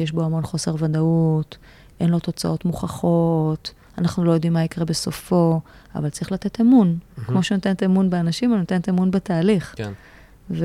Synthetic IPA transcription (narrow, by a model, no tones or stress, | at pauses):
jeʃbo̞amo̞nχo̞se̞ʁvadaut | ʔe̞nlo̞t̪o̞t͡sao̞tmuχaχo̞t | anaχnulo̞jo̞d̪imːaikʁebe̞sofo̞ | a̰valt͡saʁiχlate̞temunkmo̞ʃenotent̪emunbeanaʃimonot̪entemunbetaːliχ | v